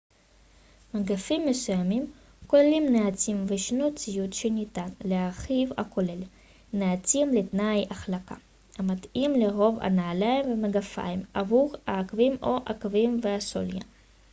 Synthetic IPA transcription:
maɡafimːesujamim | kolelimneat͡simveʃnot͡sijut̪ʃenit̪anleaχiva̰kʰole̞l | neat͡simlet̪najaχlaka̰ | amat̪imleʁo̞va̰naːlaimvemaɡafa̰jimavuʁaːkvimoʔakvimveaso̰lja̰

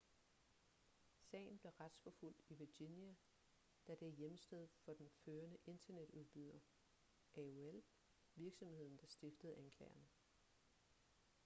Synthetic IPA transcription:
sɛ̰ːɪn̩b̥le̝ʁad̥sfɒ̽ful̰d̥iʋiɐ̥injæ | d̥æd̥e̝æjemsd̥eð̞̰ˠfɒ̽d̥enføːɐnəʔe̝nd̥ɐned̥uðˠb̥yð̰ˠɐ | ʔæoel | ʋiɐɡ̥sɒ̽mhe̝ð̞̰ˠn̩d̥ɑ̈sd̥e̝fd̥əð̞̩ˠʔænkʰlɛːɪɐnə

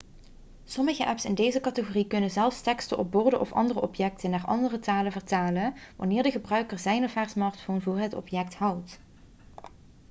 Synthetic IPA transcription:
sɔməɣəʔɛpsɪndejzəkɑtəɣoːrikɵnənzɛlˠfstɛkstəʔɔb̚bʊːɹdəʔɔ̰fɑ̰ndərəʔɔpjɛk̚tənaːɹʔɑ̰ndərətaːləvəɹtaːlənʋɑ̰nɪːɹdəɣəbrœɥkəɹzɛjnɔfɛːɹsmɑːɹtfownvʊːɹɦətɔ̰pjɛk̚thɑwt

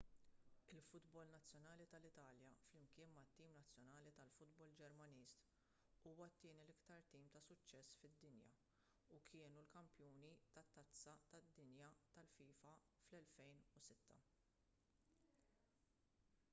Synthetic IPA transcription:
ɪlfʊd̪bɔlnɐt͡sːjɔnɐːlit̪ɐlɪt̪ɐːljɐflɪmkɪːnmɐt̪ːiːnmnɐt͡sːjɔnɐːlit̪ɐlfʊd̪bɔld͡ʒɛɾmɐniːst̪ | uːwɐt̪ːɪːnilɪkt̪ɐɾt̪iːmt̪ɐsʊt͡ʃːɛsːfɪd̪ːɪnjɐ̰ | ukʰɪːnulkɐmpjɔːnit̪ɐt̪ːɐt͡sːɐt̪ɐd̪ːɪnjɐt̪ɐlfiːfɐ | flɛlfɛjnusɪt̪ːɐ

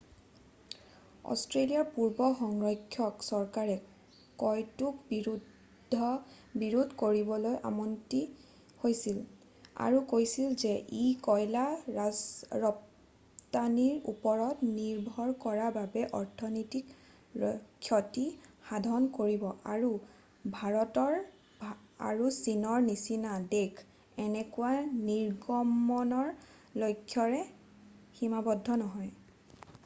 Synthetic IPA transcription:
ɔ̰stɹeliaɹpuɹbɔxɔŋɹɔjkʰːjɔksɔɹkaɹɛ | kɔjtukbiɹudʱː | ɔ | biɹudʱkoɹibɔlojʔa̰mɔnti | hojsil | a̰ɹukojsilzɛʔikɔjlaazɹɔp | taniɹṵpɔɹɔtniɹbʱɔɹkɔɹababɛʔɔɹtʰɔnɔjtik | kʰːjɔtixadʱɔnkoɹibɔʔaɹu | bʱaɹɔtɔɹ | a̰ɹusinɔɹnisinadekʰ | ɛnɛkuwaniɹɡɔmɔnɔɹ | lojkʰːjɔɹɛ | ximabɔdʱːɔnɔɦɔj

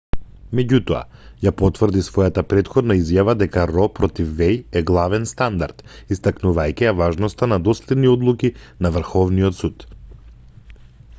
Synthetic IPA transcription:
mɛɟut̪ɔa̰japɔt̪vrd̪isvɔjat̪apɾɛt̪xɔd̪naizjavad̪ɛkaɾɔpɾɔt̪ifːɛjɛɡlˠavɛnst̪and̪aɾt̪ist̪aknuvajcɛjavaʒnɔst̪anad̪ɔslɛd̪niɔd̪lˠukinavr̩xɔvniɔt̪sut̪

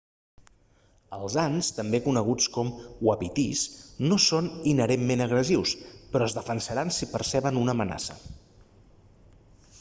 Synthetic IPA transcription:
əlˠzanst̪əmbekunəɣut͡skɔmwəpit̪isnosoninəɾemːenəɣɾəziwspɾɔəzðəfənsəɾansipəɾsɛβənunəːməna̰sə̰

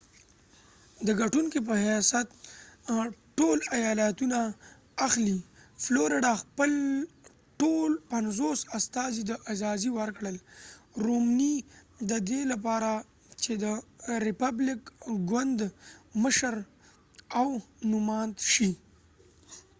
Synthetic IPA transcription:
d̪əɡaʈuŋkep̬əɦjasat̪̚ | ʈolajɑlat̪unaː | xlifloɾɪɖaxpəl | ʈolpanzosast̪ɑzid̪əʔazɑziwəɾkɽəlɾomni | d̪əd̪elap̬ɑɾa | t͡ʃed̪əɾɪpablɪkɡwand̪məʃəɾ | awnʊmɑnt̪ʃi

